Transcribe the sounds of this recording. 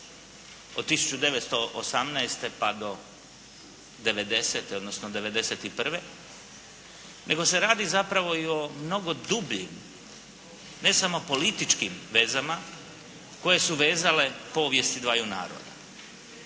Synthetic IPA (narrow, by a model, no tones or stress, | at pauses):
o̞d̪̚t̪ːisu̥t͡ʃud̪e̞ʋet̪st̪oʔo̰samnɛest̪e̞pad̪o̞ | d̪e̞ʋe̞d̪e̞set̪eo̞d̪no̞snod̪e̞ʋe̞d̪e̞set̪ipr̩ʋe | nʔe̞ɡo̞se̞ɾaːd̪izapɾaʋo̞io̞mno̞ɡo̞d̪ubʎḭm | ne̞samo̞po̞lit̪it͡ʃkimʋe̞zama | ko̞je̞suʋe̞ːzale̞po̞ːʋje̞st̪id̪ʋaːjuna̰ːɾo̰d̪a̰